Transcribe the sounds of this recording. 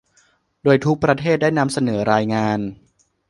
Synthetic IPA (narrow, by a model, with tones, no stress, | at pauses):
doː˧jt̪ʰu˦˥k̚pɾa˧t̪ʰeː˥˩t̪̚daː˥˩jna˧msa˧nɤː˩˦ɾaː˧jŋaː˧n